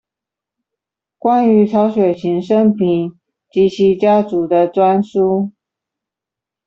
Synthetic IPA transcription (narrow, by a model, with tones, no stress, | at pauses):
kwa˥ny˧˥ʈ͡ʂʰɑ˧˥ʊɕɥɛ˨˩ɕʰi˧˥ŋʂə˥ŋpʰi˨˩˦ŋ | t͡ɕi˧˥ɕʰi˧˥t͡ɕja˥t͡su˨˩d̪ə˦ʈ͡ʂwa˥nʂu˥